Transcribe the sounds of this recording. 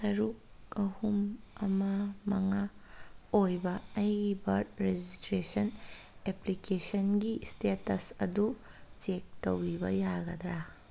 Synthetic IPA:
sɐɾuk̚ | ɐhumɐmɐmɐŋa | ojbɐɐjibɐɾdɾed͡ʒistɾesɐn | eplikesɐnɡistetɐsɐdut͡ʃek̚tɐwɾibɐjaɡɐd̪ɾa

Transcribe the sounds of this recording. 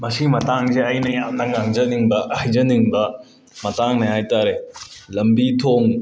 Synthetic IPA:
mɐsimɐtaŋzeɐjnɐjamnɐŋaŋzɐniŋbɐhajzɐniŋbɐ | mɐtaŋnɐhajtaɾelɐmbitʰoŋ

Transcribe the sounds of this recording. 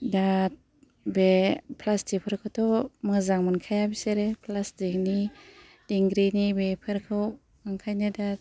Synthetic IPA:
dat̚ | bepʰlasdipʰɯɾkʰɯwtʰɔmɯzaŋmɯnkʰajabiseɾepʰlasdekni | diŋɡɾinibepʰɯɾkʰɯw | aŋkʰajnɯdat̚

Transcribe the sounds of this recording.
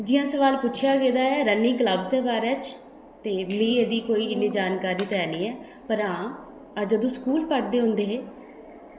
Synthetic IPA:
d͡ʒɪjãːsəʋaːlpʊːt͡ʃʰjaːɡeːd̪aːɛːɾənːiːkləbsɛːbaːɾɛːt͡ʃ | t̪eːmĩːeːd̪iːkoːiːɪneːd͡ʒaːnkaːɾiːt̪ɛːniːɛː | pəɾãː | ad͡ʒəd̪õːskuːlpəʈd̪eːɦʊ̃nd̪eːɦeː

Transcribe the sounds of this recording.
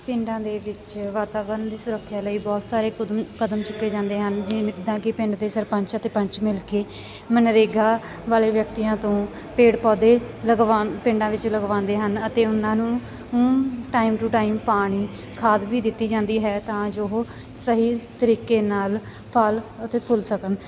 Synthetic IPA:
pɪɳɖãːd̪eːʋɪt͡ʃʋaːt̪aːbəɾnd̪iːsʊɾəkʰːjaːləiːbɔːt̪saːɾeːkəd̪əmt͡ʃʊkːeːd͡ʒãːnd̪eːɦənd͡ʒɪd̪ãːkɪpɪ̃ɳɖd̪eːsəɾpə̃ɲt͡ʃət̪eːpəɲt͡ʃmɪlkeː | mənɾeːɡaː | ʋaːleːʋjək̚t̪iːjãːt̪õː | peːɽpɔːd̪eːləɡʋaːpɪ̃ɳɖãːʋɪt͡ʃləɡʋãːnd̪eːɦənət̪eːʊnãːnũː | ʈaːimʈuːʈaːimpaːɽ̃iː | kʰaːd̪ʋiːd̪ɪt̪ːiːd͡ʒãːnd̪iːɦɛːt̪ãːd͡ʒoɦoː | səɦiːt̪əɾiːkeːnaːl | pʰələt̪eːpʰʊlsəkən

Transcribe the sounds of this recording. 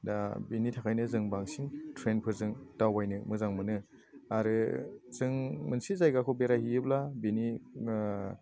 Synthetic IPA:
dabinitʰakʰajnɯzɯŋbaŋsintʰɾenpʰɯɾzɯŋd̥awajnɯmɯzaŋmɯnɯ | aɾɯz̥ɯŋmɯnsizajɡakʰɯwbeɾahiɯblabeni

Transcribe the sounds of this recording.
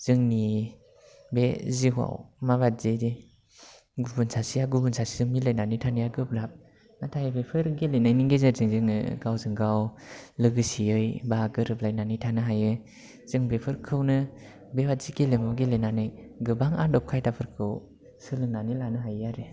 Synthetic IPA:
z̥ɯŋni | beziɦwa̰wmabat̚z̥ede | ɡubunsʰasijaɡubunsasizɯŋmilajnanitʰanɯjaɡɯp̚ɾap̚ | natʰajɯbepʰɯɾɡelenajniŋɡezazɯŋzɯŋɯ̰ɡawzɯŋɡawlɯɡɯsiɯjbaɡɯɾɯplajnanitʰanɯɦajɯ | z̥ɯŋbepʰɯɾkʰɯwnɯ | bewat̚ziɡelemawɡelenanɯjɡɯbaŋadɔp̚kʰajtapʰɯɾkʰɯw | sɯlɯŋnanilanɯɦajaɾe

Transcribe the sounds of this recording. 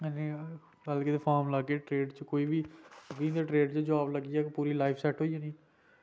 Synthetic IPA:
nẽː | kəlkɪt̪eːpʰaːɾmlaːkeːʈɾeːɖt͡ʃəkoːiːbiːɡĩːd̪eʈɾeːɖt͡ʃəd͡ʒaːbləɡiːɛːkpuːɾiːlaːipʰsɛːʈɦoːiãːnĩː

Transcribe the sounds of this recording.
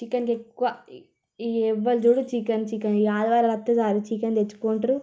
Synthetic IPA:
t͡ʃikːɐnkekːua | eʋːɐld͡ʒuɽut͡ʃikːɐnt͡ʃikːɐnaːd̪ɐʋaːɾɐɾɐt̪ːɐd͡ʒaːɾut͡ʃikɐnd̪et͡ʃːu̥koːɳʈɐɾu

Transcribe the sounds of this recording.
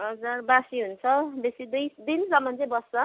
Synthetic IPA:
ɦʌd͡zarbasiɦunt͡sʰʌbesid̪ujd̪insʌmːʌnt͡sebʌsʌ

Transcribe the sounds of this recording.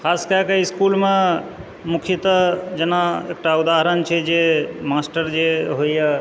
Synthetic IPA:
kʰaskakeiskulme | mukʰit̪əd͡ʒenaek̚ʈaud̪aɦəɾənt͡ʃʰɛd͡ʒemasʈəɾd͡ʒeɦojjə

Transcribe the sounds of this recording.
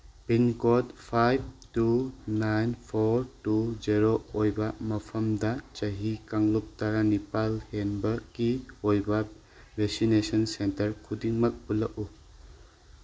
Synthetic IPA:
binkotpʰajb̚tunajnpʰoɾtud͡ʒeɾoojbɐmɐpʰɐmdɐt͡ʃɐɦikaŋlup̚taɾanipalhenbɐɾkiojbɐ | besinesɔnsentɐɾkʰudiŋmɐk̚bulɐku

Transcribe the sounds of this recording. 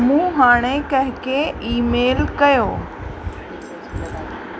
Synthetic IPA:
mũːɦaːɽ̃ekɐ̃ɦɪ̃kʰeiːmeːlkɐjoː

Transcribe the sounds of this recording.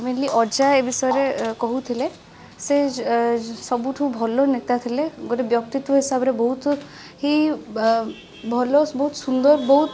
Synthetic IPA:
menliʔɔd͡ʒaebisɔjeɾekɔɦut̪ʰile | se | sɔbuʈʰũbʱɔlonet̪at̪ʰileɡoɾebjɔk̚t̪it̪woɦisabɾebɔɦut̪ | ɦi | bʱɔlobɔɦut̪sund̪ɔɾbɔɦut̪

